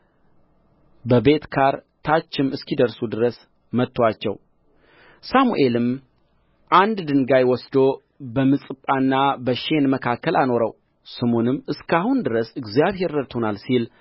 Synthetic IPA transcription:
bəbe̞t̪kʰaɾt̪ʰat͡ʃːɪmɨskid̪əɾsud̪ɨɾəs | mət̪ʰːwat͡ʃːɛ̰w | samṵʔe̞lɨm | ʔand̪d̪ɨŋɡajwɔsd̪o̞ | bəmɨsʼɨpʼanːabəʃe̞nməkʰakʰːəlʔano̞ɾəw | səmo̞nɨmːɨskʰahund̪ɨɾəsɨɡzijaβhe̞ɾːət̪honalsil

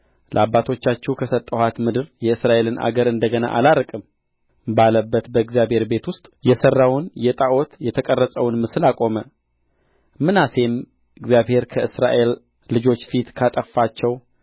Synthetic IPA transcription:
lə̰abːat̪ʰo̞t͡ʃːat͡ʃːɛwkʰəsət̪ʼːəhat̪mɨd̪ɨɾjɛɨsɾaʔe̞lɨnʔa̰ɡəɾɨnd̪əɡəna̰ʔa̰laɾkʼɨm | baləbːət̪bəɨɡzijabhe̞ɾbe̞t̪wʊst̪ʼjɛsərːawʊnjɛt̪ʼaʔot̪jɛt̪ʰəkʼərːəsʼəwnmɨsɨlakʼo̞mə | mɨnase̞m | ɨɡzjaβhe̞ɾkʰəɨsɾa̰ʔe̞lː | ɨd͡ʒo̞t͡ʃːfit̪kʰat̪ʼəfːat͡ʃːɛw

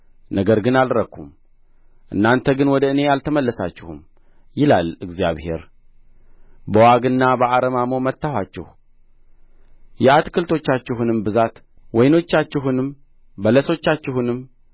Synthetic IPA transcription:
nəɡəɾɡɨnalɾəkʰːum | ʔɨ̰nːant̪ʰəɡɨnwɔd̪əɨne̞jalt̪ʰəməlːəsa̰t͡ʃːɪhṵm | jɪlalɨɡzija̰βhe̞̰ɾ | bəwaɡɨnːabəʔaɾəmamomət̪ːahat͡ʃːɪ̰h | jɛat̪kʰɨlt̪ʰo̞t͡ʃːat͡ʃːɪɦunɨmbɨzat̪ | wɔjno̞t͡ʃːat͡ʃːɪɦunɨm | bələso̞t͡ʃːat͡ʃːɪhunɨm

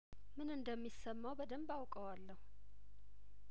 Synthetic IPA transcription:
mɨnɨnd̪əmːisəmːawbəd̪əmbawkʼəwalːəhu

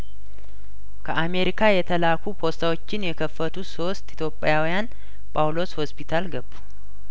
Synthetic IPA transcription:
kʰəʔame̞ɾikʰajɛt̪ʰəlakʰupʰo̞st̪ʰawo̞t͡ʃːɪnjɛkʰəfːət̪ʰuso̞st̪it̪jo̞pʼːjawijan | pʰʼawlo̞sho̞spʰit̪ʰalɡəbːu̥

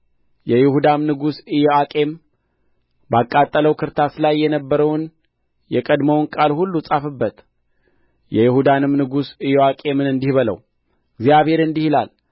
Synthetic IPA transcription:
jɛjɪhud̪amnɨɡusɨjɛakʼe̞m | bakʼat̪ʼːələwkʰɨɾt̪ʰaslajːɛnəbːəɾəwn | jɛkʼəd̪məwnkʼalhulːusʼafɨbːət̪ | jɛjɪhud̪anɨmnɨɡusɨjoakʼe̞mɨnɨnd̪ihβələ̰w | ɡzijaβhe̞ɾɨnd̪ihilal

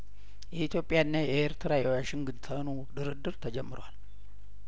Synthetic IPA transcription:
jɛʔit̪ʰjo̞pʼːɪjaɨnːajɛɛeɾt̪ʰɨɾajɛwaʃɪŋɡɨnt̪ʰənu | d̪ɨɾɨd̪ːɨɾt̪ʰəd͡ʒɛmːɨɾwal

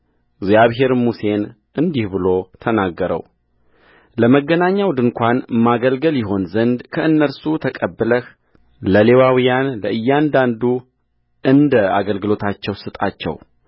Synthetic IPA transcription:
ɡzjaβɦe̞ɾmuse̞n | ɨnd̪ihbɨlo̞t̪ʰənaɡːəɾə̰w | ləməɡːənaɲːawd̪ɨnkʷanmaɡəlɡəljɪɦo̞nzənd̪kʰəɨnːəlsut̪ʰəkʼəbːələh | ləle̞wawijanləʔɨjːand̪and̪u | ʔɨnd̪əa̰ɡəlɡɨlo̞t̪ʰat͡ʃːɛwsɨt̪ʼa̰t͡ʃːɛ̰w

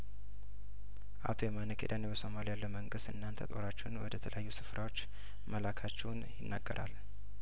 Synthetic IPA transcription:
ʔa̰t̪ʰujɛmanəkʰed̪anbəso̞malijalːəməŋɡɨst̪ɨnːant̪ʰət̪ʼo̞ɾat͡ʃːɛnwɔd̪ət̪ʰələjajːusɨfɾʔawo̞t͡ʃː | məlakʰat͡ʃːɛwnjɪnːa̰ɡːəɾʔa̰l

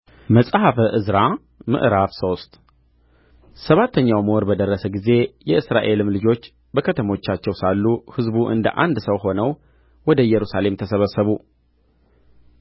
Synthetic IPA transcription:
məsʼhafəʔɨzɾa | mɨ̰ʔɾafso̞st̪ | səβat̪ʰːəɲːawməɔɾbəd̪ərːəsəɡize̞jɛɨsɾa̰ʔe̞lɨmlɨd͡ʒo̞t͡ʃː | bəkʰət̪ʰəmo̞t͡ʃːat͡ʃːɛwsalːuhɨzbuʔɨ̰nd̪ə̰ʔa̰nd̪səwɦo̞nəw | wɔd̪əjɛɾusale̞mt̪ʰəsəβəsːəβu

